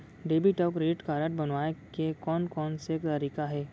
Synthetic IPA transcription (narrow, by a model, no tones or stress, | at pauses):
ɖeːbiʈɔːkɾeːʈkaːɾəʈ̚bɐnʋaːekekɔːnkɔːnsekt̪ɐɾiːkaɦɛː